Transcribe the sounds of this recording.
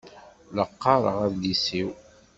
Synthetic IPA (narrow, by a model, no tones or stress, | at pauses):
ləqːɑɾˤə̰ʁæðlisiw